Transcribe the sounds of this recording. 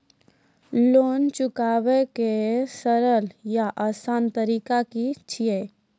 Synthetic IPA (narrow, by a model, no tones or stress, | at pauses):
loːnt͡ʃʊkaːʋekesəɾəljaʔaːsaːnt̪əɾiːkakit͡ʃʰie